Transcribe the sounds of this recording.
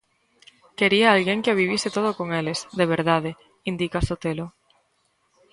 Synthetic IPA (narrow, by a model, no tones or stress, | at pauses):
keɾiaalɣeŋkeaβiβ̞jiset̪oð̞okoŋelesðeβ̞eɾðað̞e | ind̪ikasot̪elo